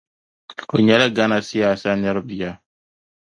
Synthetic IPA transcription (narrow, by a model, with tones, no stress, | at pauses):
o˨ɲɛ˦la˦ɡa˦na˨sɪ˦ja˨sa˦nɛ˦ɾbi˨ja˦